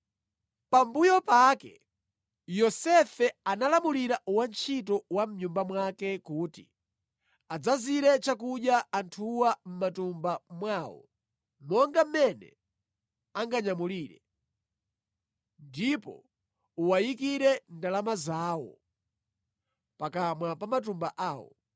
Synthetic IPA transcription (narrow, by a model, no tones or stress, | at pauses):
pambujɔpakɛ̰ | jɔsɛfɛanalamuliɾaʔuwant͡ʃʰit̬ɔwam̩ɲumbamwakɛkuːtḭ | ad͡zaziɾɛt͡ʃakuɗjaːntʰuwam̩matumbamwaːwɔ̰ | mɔŋɡam̩mɛnɛ̰ | aŋɡaɲamuliːɾɛ̰ | ndipɔ̰ | uwajikiɾɛndalamazaːwɔ̰ | pakamwapamat̬umbaʔaːwɔ̰